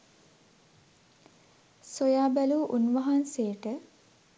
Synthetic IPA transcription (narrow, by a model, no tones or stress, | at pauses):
sojaːbæluːʔunʋaɦansejəʈə